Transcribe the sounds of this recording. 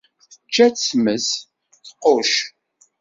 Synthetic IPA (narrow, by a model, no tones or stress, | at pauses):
θət͡ʃːæt͡ssməs | θqoʃ